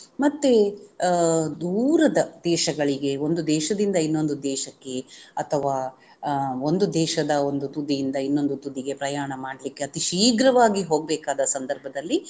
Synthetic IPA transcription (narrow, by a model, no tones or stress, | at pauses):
mɐt̪ːe | d̪uːɾɐd̪ɐd̪ɛːʃɐɡɐɭiɡe̞o̞nd̪ud̪ɛːʃɐd̪ind̪ɐinːo̞nd̪ud̪ɛːʃɐkːe̞ɐt̪ʰɐʋaː | o̞nd̪ud̪ɛːʃɐd̪ɐo̞nd̪ut̪ud̪ijind̪ɐinːo̞nd̪ut̪ud̪iɡe̞pɾɐjaːɳɐmaːɽlikːeɐt̪iʃiːɡɾɐʋaːɡiɦo̞ːɡ̚bɛːkaːd̪ɐsɐnd̪ɐɾbʱɐd̪ɐlːi